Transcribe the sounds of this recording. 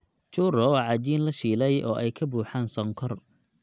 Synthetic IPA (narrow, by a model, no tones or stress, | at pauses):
t͡ʃʊːrɔwɑʕɑd͡ʒiːnlɐʃiːlɛjʔɔ̰ːʔɛjkʰɐbuːħaːnsɔŋkʰɔr